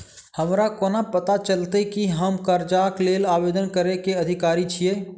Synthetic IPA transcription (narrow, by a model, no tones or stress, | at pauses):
həmɾakoːnapət̪at͡ʃəlt̪ekiɦəmkəɾd͡ʒaːkleːlaːbeːd̪ənkəɾekeəd̪ʱɪkaːɾit͡ʃʰijeː